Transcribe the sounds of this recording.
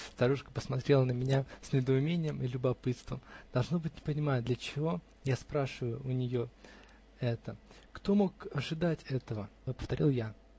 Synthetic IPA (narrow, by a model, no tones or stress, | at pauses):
st̪ɐɾuʂkə̥pəsmɐt̪ɾʲe̞lˠənəmʲɪnʲasʲnʲɪd̪əʊmʲenʲɪjəmɨlʲʊbɐpɨt̪st̪vəmd̪̥ɐlˠʐno̞bɨtʲnʲɪpənʲɪmajəd̪lʲət͡ɕɪvo̞ | jaspɾaʂɨvəjʊʊnʲɪjo̞ | ɛt̪ə | kt̪o̞mo̞kɐʐɨd̪atʲɛt̪əvəpə̥ft̪ɐɾʲilˠja